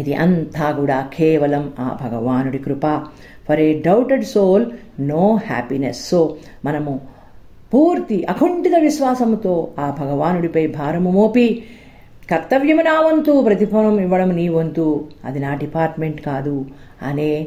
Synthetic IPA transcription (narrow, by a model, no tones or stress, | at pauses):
id̪iʔɐ̰nt̪ʰaːkuːɽaːkʰɛːʋɐlɐma̰ːbʱɐɡɐʋaːnuɽikɾupaː | pʰɐɾeɖɐwʈeɖsoːl | noːha̰ːpinesːoː | mɐnɐmu | puːɾt̪iʔɐkʰuɳʈid̪ɐʋiʃʋaːsɐmt̪o̞ːaːbʱɐɡɐʋaːnuɽipɐjbʱaːɾɐmumoːpi | kɐkt̪ɐʋjɐmunaːʋɐnt̪upɾɐt̪ipʰoːnɐmiʋːɐɽɐmniːʋɐnt̪uɐ̰d̪inaːɖipaːɾʈmeɳʈkaːd̪u | ɐ̰neː